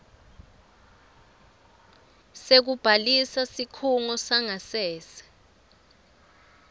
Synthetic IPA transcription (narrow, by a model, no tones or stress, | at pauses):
sek̬ub̥ʱalisasikʰuŋɔsaŋasɛːsɛ̥